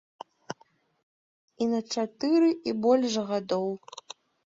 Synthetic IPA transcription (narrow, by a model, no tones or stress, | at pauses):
inɐt͡ʂat̪ɨɾɨʔibɔlʲʐɣad̪ɔw